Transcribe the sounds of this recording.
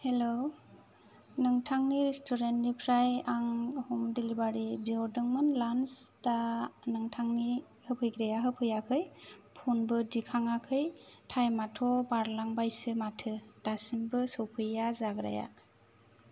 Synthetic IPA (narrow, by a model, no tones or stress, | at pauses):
helo | nɯŋtʰaŋniɾistʰɔɾentnipʰɾajaŋhumdilibaɾibiɔɾdɯŋmɯnlansdanɯŋtʰaŋni | hɯpʰɯjɡɾajaɦɯpʰɯjakʰɯjpʰunbɯdikʰaŋakʰɯjtʰajmatʰɔbaɾlaŋbajsɯmatʰɯd̥asimbɯsɔwpʰɯjazaɡɾa̰ja̰